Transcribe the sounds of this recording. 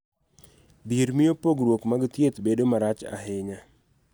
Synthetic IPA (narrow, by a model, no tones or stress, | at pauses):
biɾmɪjopoɡɾwokmaɡt̪jet̪bedomaɾat͡ʃa̰ɦɪɲa